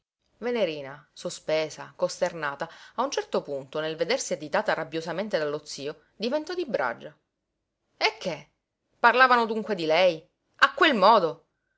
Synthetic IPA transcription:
veneɾiːnasospeːsakost̪ernaːt̪aaunt͡ʃɛrt̪opunt̪onelved̪ersiad͡ʒ̪it̪aːt̪arabjozament̪ed̪alːot̪sːiːo | d̪ivent̪ɔd̪ibɾa̰d͡ʒːa | ekʰːe | parlaːvanod̪uŋkwed̪ilɛj | akːwelmɔːd̪o

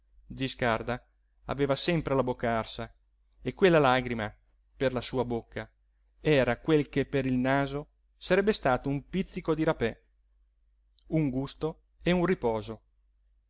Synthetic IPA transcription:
d͡ʒiskard̪a | a̰veːvasɛmpɾelabokːaarsa | ekːwelːalaɡɾima | perlasuːabokːa | ɛːɾakwelkepːeɾilnaːzo | saɾɛbːest̪aːt̪oumpit̪sːikod̪iɾapɛ | uŋɡust̪o | eunripɔːzo

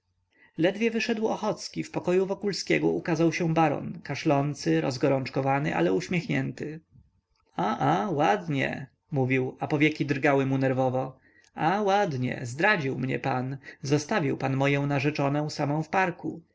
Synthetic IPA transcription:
lɛd̪vʲjɛvɘʂɛd̪wɔxɔt̪skʲifpɔkɔjuvɔkulskʲɛɡɔʔukazawɕɛ̃baɾɔ̰nkaʂlɔnt̪sɘɾɔzɡɔɾɔnt͡ʂkɔvanɘʔa̰lɛuɕmʲjɛxɲɛnt̪ɘ | aʔawad̪ɲɛ̰ | muvʲiwapɔvʲjɛkʲid̪ɾɡawɘmunɛɾvɔvɔ | awad̪ɲɛ̰zd̪ɾad͡ʑiwmɲɛ̰panzɔst̪avʲiwpanmɔjɔ̃w̃naʐɛt͡ʂɔnɛ̃w̃samɔ̃w̃fpaɾku

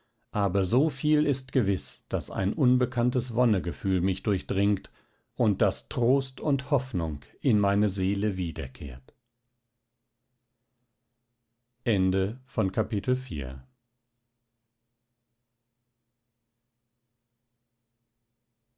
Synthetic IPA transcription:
ʔaːbɐzoːfiːlɪstɡ̥əvɪsd̥asa̰ɪnʔʊnbəkʰantəsvɔnəɡəfyːlmɪçd̥ʊɐçd̥ʁɪŋkt | ʔʊnt̚d̥astʁ̥oːstʊnthɔfnʊŋkʔɪnmaɪnəzeːləviːdɐ̰kʰḛːɐt | ʔɛndəfɔnkʰapitl̩fḭːɐ

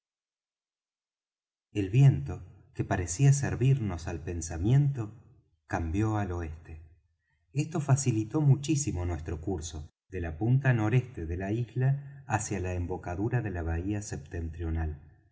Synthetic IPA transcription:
e̞lβje̞nt̪o̞ | kepaɾesias̬eɾβiɾno̞salpe̞nsamje̞nt̪o̞ | kambjo̞alo̞e̞st̪e | est̪o̞fasilit̪o̞mut͡ʃisimo̞nwe̞st̪ɾo̞kuɾso̞ | ðe̞lapunt̪ano̞ɾe̞st̪eðe̞laizlaːsjalaembo̞kaðuɾaðe̞laβ̞aiasep̚t̪ent̪ɾjo̞nal

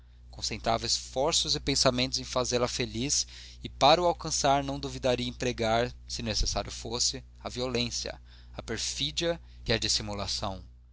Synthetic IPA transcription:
kõsẽnt̪ɾa̰vɐesfɔɾsʊzɪpẽsamẽnt̪ʊzẽj̃fazelɐfelis | ɪpaɾʊawkɐ̃saɾnɐ̃w̃d̪ovid̪aɾiɐẽpɾeɡaɾsɪnesesaɾjʊfosɪ | ɐviolẽsjɐ̰ | ɐpeɾfid͡ʒiɐ | ɪɐd͡ʒisimulasɐ̃w̃

